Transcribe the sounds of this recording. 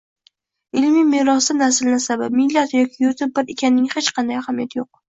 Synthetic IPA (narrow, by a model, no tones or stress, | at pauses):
ɪlmimeɾɒsɪnasɪlnasabapmɪlːat̪jɒkʲʰɪjʊɾt̪ʰɪp̚bɪɾekʲʰanːɪŋhet͡ʃqʰɑnd̪ajhamijat̪joq̚